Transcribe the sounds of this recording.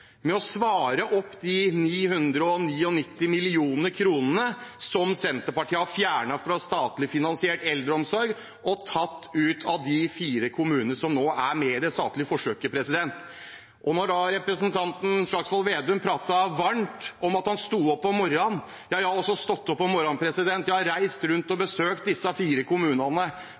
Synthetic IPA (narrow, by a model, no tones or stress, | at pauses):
mɛɔsʋɑːɾəʔɔpːd̪ɪniːɦʉnd̪ɾəɔniːɔnɪt̪ːɪmɪlɪuːnəɾkʰɾuːnənəsɔmsɛnt̪əɾpɑʈʰiːəhɑfjæːɳɑfɾɑst̪ɑːt̪lɪfɪnɑnsɪɛːʈɛld̪ɾəɔmsɔɾɡ | ɔt̪ʰɑt̪ːʉːt̪ʰɑʋd̪ɪfiːɾəkʰʊmʉːnənəʂɔmnoːʔæɾmɛɪd̪ɛst̪ɑ̰ːt̪lɪfɔʂøːkəpʰɾɛsɪd̪ɛnt̪ | ʔɔnɔɖɑɾɛpɾəsnt̪ʰɑnt̪n̩ʂɭɑksʋɔlʋeːd̪ʉmpʰɾɑːt̪ɑʋɑɳʈʔɔmɑt̪hɑnst̪uːɔpːɔmɔɾɑn | jɑːjæɪhɑɔsːɔst̪ɔt̪ːɔpːɔmɔɾɑnpʰɾɛsɪd̪ɛnt̪jæɪhɑɾɾæɪst̪ɾʉnt̪ɔbəsøːk̚t̪̚d̪ɪsːɑfiːɾəkʰʊmʉːnɑnə